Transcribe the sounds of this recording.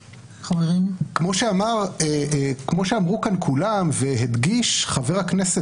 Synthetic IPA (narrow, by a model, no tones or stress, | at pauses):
χaveʁimkmo̞ʃeamaʁekmo̞ʃeamʁukankʰulamveɦed̪ɡiʃχaveʁaknese